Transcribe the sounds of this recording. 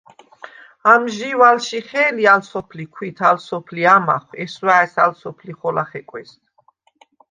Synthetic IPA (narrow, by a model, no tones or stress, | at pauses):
amʒiwalʃiχɛːlialsɔpʰlikʰwit̪ʰalsɔpʰliama̰χwɛswaɛsalsɔpʰliχɔlaχɛkʼwɛst̪ʰ